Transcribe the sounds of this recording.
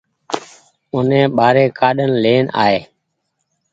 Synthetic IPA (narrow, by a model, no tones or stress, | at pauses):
ʊnẽːɓaːɾeːkaːɗənleːna̰ːɦeː